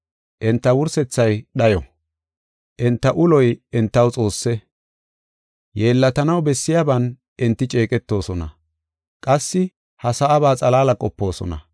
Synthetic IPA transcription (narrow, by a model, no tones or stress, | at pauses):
ʔɛnt̪ːɐwʊɾsɛt͡sːɐjɗɐjɔ | ʔɛnt̪ːɐʔʊlɔjɛnt̪ːɐwt͡sʼo̞ːsːɛ | jeːlːɐt̪ɐnɐwbɛsːɪjaːbɐn | ʔɪnt̪ːɪt͡ʃʼe̞ːkʼɛt̪ːo̞ːsɔnɐ̰ | kʼɐsːɪ | hɐsɐʔːβaːt͡sʼɐlaːlɐkʼɔpːo̞ːsɔ̰nɐ̰